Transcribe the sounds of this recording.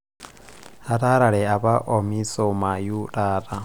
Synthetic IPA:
ha˦ta˦ɾa˨ɺɛ˨a˨βa˦ʔɔ˨mi˦sɔ˨ma˨ju˦taː˦ɾa˨

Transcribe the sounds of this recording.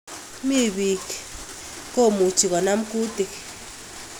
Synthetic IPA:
mi˦βi˨k | ko˦˨mu˨t͡ʃi˨kɔ˨na˦m̩˦ku˦ti˨k

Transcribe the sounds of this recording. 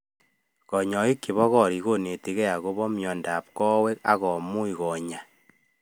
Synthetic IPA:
kɔ˨ɲɔ˨i˦kːi˨βɔ˦ɣɔ˦ɾi˨ɣo˦ne˨ti˦ɣɛ˦a˨ɣo˦βɔ˦mjɔ˨nda˨p̚kɔ˦we˦ka̰˦ɣɔ˨mu˦i˨ɣɔ˨ɲa˨

